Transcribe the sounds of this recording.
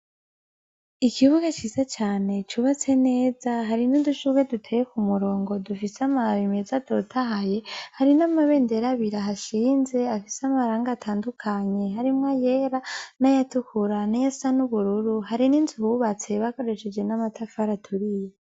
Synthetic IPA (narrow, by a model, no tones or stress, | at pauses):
ikʰiβuɡat͡ʃizat͡ʃaːne̞t͡ʃuβat͡se̞ne̞ːzaɦaɾinuduʃuɡwedutʰejekumuɾo̞ːŋɡo̞dufisamaβimezatotʰaɦaje̞haɾinamaβe̞ːnde̞ɾaβiɾaɦaʃiːnze̞afiseamaɾaːŋɡaːtʰaːndukʰaɲe̞ɦaɾimŋaje̞ɾanajatukuɾanajasanuβuɾuɾuhaɾiniːnzuhuβat͡se̞βako̞ɾe̞ʃe̞d͡ʒwe̞namatʰafaɾatʰuɾije